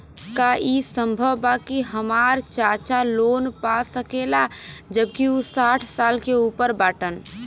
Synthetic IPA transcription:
kaʔisə̃mbʱəʋbaːkiɦəmaːɾt͡ʃaːt͡ʃaloːnpasəkeːlad͡ʒəb̚kiusaːʈʰsaːlkeuːpəɾbaːʈən

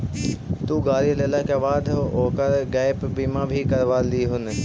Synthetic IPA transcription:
t̪uːɡaːɾileːlakeːʋaːd̪ʱoːkəɾɡaːɪpbiːmãbʱikɐɾʋaːliɦʊnɪ̆

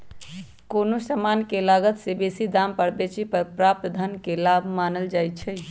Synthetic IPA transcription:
konosəmankelaɡət̪sebesid̪ampəɾbet͡ʃʰipəɾpɾap̚t̪d̪ʱənkelabʱmanəld͡ʒajt͡ʃʰəɪ

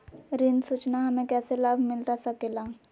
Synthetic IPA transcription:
ɾɪnsut͡ʃnaɦɐmẽkɛːselabʱmɪlt̪asəkelãː

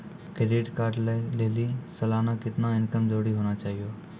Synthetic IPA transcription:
kɾeːɖɪʈkaːɾɖlaːɪleːlisəlaːnakɪt̪nãɪnkəmd͡ʒoːɽiɦoːnat͡ʃaːɦijoː

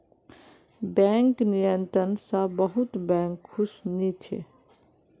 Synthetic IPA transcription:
bɛ̃ːŋknɪjə̃nt̪ɾənsabəɦʊt̪bɛ̃ːŋkʰːʊsnit͡ʃʰḛ

